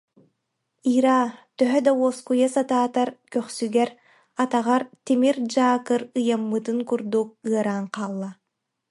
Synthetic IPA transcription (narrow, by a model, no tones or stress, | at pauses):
iːɾaːt̪œɦœd̪aɔskujasat̪aːt̪aɾkœχsyɡɛɾ | at̪aʁaɾt̪imiɾd͡ʒaːkɯɾɯjamːɯt̪ɯŋkuɾd̪uk̚ɯɐɾaːŋqaːlˠːa